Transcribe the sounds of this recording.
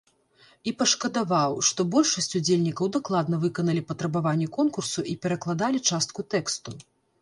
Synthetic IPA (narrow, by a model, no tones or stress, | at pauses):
ipɐʂkɐd̪avawʂt̪ɔbɔlʲʂɐsʲt͡sʲud͡zʲelʲnʲikɐwd̪aklˠad̪nɐvɨkɐnɐlʲipɐt̪ɾɐbavanʲːɛkɔnkursuʔipʲɛɾɐklˠad̪alʲit͡ʂast̪̚kut̪ɛkst̪u